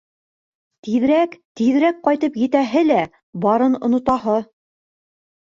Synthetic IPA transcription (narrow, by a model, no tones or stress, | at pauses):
t̪iðɾækt̪iðɾæk̚qɑjt̪ɤpjɘ̆t̪æɦɘlæ | bɑɾɤnŏ̰nŏt̪ɑɦɤ